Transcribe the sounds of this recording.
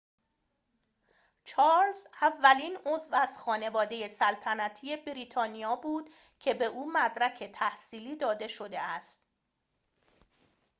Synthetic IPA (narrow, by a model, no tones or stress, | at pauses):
t͡ʃʰɒːɾlzævːæliːnozvæz̥xɒːne̞vɒːd̪e̞je̞sælt̪ʰænæt̪ʰije̞bɾiːt̪ʰɒːnijɒːbuːd̪̥ | cʰe̞be̞ʔuːmæd̪ɾæcʰe̞t̪ʰæhsiːliːd̪ɒːd̪e̞ʃo̞d̪e̞æst̪̚